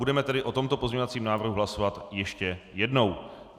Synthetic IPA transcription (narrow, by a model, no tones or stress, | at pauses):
udɛmɛt̪ɛdɪʔo̞t̪o̞mt̪o̞po̞zɲeɲovat͡siːmnaːvr̩ɦuɦlaso̞vat̪jɛʃcɛjɛdno̞w